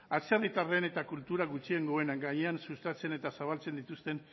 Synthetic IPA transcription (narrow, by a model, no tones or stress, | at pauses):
asearit̪are̞ne̞t̪akult̪uɾaɣut͡ʃie̞ŋɡo̞e̞naŋɡaɲeansust̪at͡se̞ne̞t̪asaβ̞alt͡se̞nd̪it̪ust̪e̞n